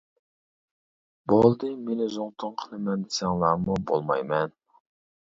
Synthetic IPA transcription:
bolˠd̪ɨmenɪzʊŋt̪ʰʊŋqʰəlˠɨmɛnd̪ɪ̥sɛŋlˠɑmubo̰lˠmɑ̰jmɛn

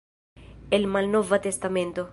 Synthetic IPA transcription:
elmalnɔvat̪est̪amẽnt̪o

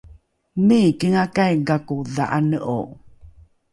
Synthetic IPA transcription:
mikəŋakajɡakuðaʔanəʔo

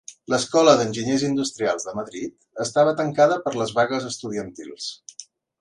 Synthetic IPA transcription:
ləskɔləðənʲʒiɲezind̪ust̪ɾialˠzðəməðɾit̪ | əst̪aβət̪əŋkaðəpəɾləzβaɣəzəst̪uðiənt̪ḭlˠs

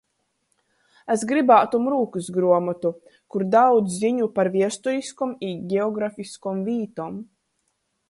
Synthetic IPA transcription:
esɡɾibaːt̪umɾuːkɨsɡɾuɔmɔt̪u | kuɾd̪awd̪zziɲupaɾviɛst̪uɾiskumiːɡʲɛɔɡɾafiskumviːt̪ɔm

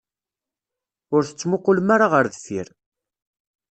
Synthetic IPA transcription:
ʊɾθə̥t͡sːmʊqːʊlmaɾaʁəɾðfḭɾ

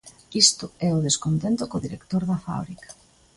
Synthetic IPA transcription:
ist̪ʊɛʊðeskont̪ent̪ʊkoðiɾekt̪oɾðɐfa̰β̞ɾikḁ

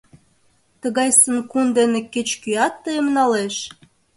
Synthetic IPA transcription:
t̪ə̆ɣɑjsə̆nkund̪eneket͡ɕkyɑt̪ːəemnɑleʃ

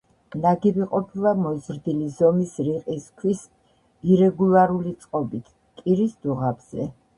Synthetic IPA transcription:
naɡibiqʼɔpʰilˠamɔzɾd̪ilizɔmisɾiqʼiskʰwis | iɾɛɡulˠaɾulit̪sʼqʼɔbit̪ʰ | kʼiɾisd̪uʁabz̥ɛ

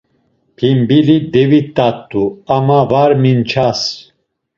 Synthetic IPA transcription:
pʰimbilid̪ɛvit̪ʼːat̪ʼːuamavaɾmint͡ʃʰas

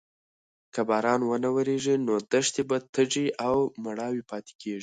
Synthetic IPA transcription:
kabɑɾɑnwənawəɾeʐinod̪əʂt̪ebat̪ʰəʐiʔawmaɽɑwipɑt̪e̥kʰeʐi

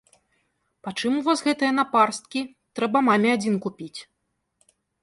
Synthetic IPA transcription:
pat͡ʂɨmuvɔzɣɛt̪ɨjɐnaparst̪̚kʲi | t̪ɾɛbɐmamʲɛad͡zʲinkupʲit͡sʲ

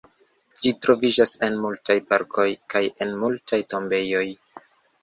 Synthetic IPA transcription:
d͡ʒitɾo̞vid͡ʒase̞nmultajpaɾkʰo̞jkaje̞nmultʰajto̞mbe̞jo̞j

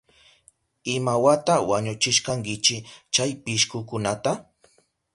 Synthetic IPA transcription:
ɪmawat̪awaɲʊt͡ʃɪʃkaŋkɪt͡ʃɪt͡ʃajpɪʃkʊkʊnat̪a

